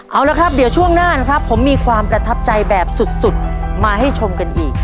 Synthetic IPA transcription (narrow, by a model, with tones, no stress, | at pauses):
ʔa˧˩wla˧˦˥kʰɾa˦˥p̚di˨˩˦wt͡ɕʰu˥˩əŋnaː˥˩na˦˥kʰɾa˦˥pʰːo˩˦mːiː˧kʰwaː˧mpɾa˧t̪ʰa˦˥p̚t͡ɕa˧jbɛː˨˩p̚su˨˩t̪̚su˨˩t̪̚ | maː˧ɦa˥˩jt͡ɕʰo˧mka˧nʔiː˨˩k̚